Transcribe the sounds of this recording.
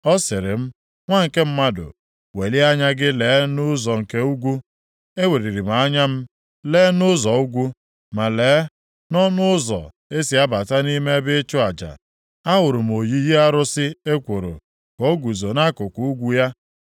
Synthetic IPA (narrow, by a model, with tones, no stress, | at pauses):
ɔ˦sɪ˨ɾɪ˨m̩˦ | ŋʷa˦ŋ̩˨ke˦m̩˦ma˦dʊ̰˨ | we˨li˦a˦ɲa˦ɡɪ˦leː˨˦nʊ˦zɔ˨ŋ̩˨ke˦u˦ɡʷu˦ | e˦we˨ɾi˨ɾi˨m̩˨a˨˦ɲa˦m̩˦ | le˦nʊ˦zɔ˨u˦ɡʷu˦ | ma˨leː˨˦ | nɔ˦nʊ˦ʊ˦zɔ̰˨ | e˦si˨a˦ba˨ta˦ni˦me˦bɪ˦t͡ʃʊ˦a˨d͡ʒa̰˨ | a˦wʊ˨ɾʊ˨m̩˨o˨ji˦ji˦a˦ɾʊ˦sɪ˦e˦kʷo˨ɾo̰˨ | ko˦ɡʷu˨zo˨na˦kʊ˨ku˨u˦ɡʷu˦ja˦